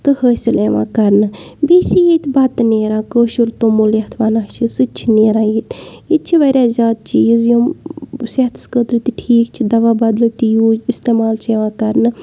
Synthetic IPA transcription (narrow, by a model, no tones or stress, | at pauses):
t̪ɨhəːsileːʋã̰ːkɐɾnɨbiːt͡ʃʰijiːt̪bɐt̪neːɾãːkəːʃuɾt̪õːmuljɐht̪ʰʋɐnaːt͡ʃʰisɨt͡ʃʰineːɾãːjiːt̪it̪t͡ʃʰiʋɐɾʲaːzʲjaːd̪̚t͡ʃiːzjo | set̪ʰskət̪ɾɨt̪iʈʰiːkt͡ʃʰid̪ɐʋaːbɐd̪lt̪ijuːist̪eːmaːlt͡ʃʰeːʋãːkɐɾnɨ